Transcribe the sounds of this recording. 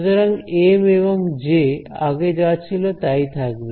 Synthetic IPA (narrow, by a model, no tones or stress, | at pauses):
d̪aɾaŋemeβoŋd͡ʑea̰ɡed͡ʑawat͡ɕʰilot̪ajt̪ʰak̚be